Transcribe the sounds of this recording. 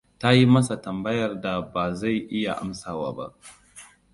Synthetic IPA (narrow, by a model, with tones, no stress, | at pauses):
ta˦ji˦mɐ˦sa˨tɐ˨mbɐ˦jɐ˨rda˨baː˨za˦˨jʔɪ˦ja˨ʔa̰˦msaː˨wa̰ː˦ba̰˦ʔ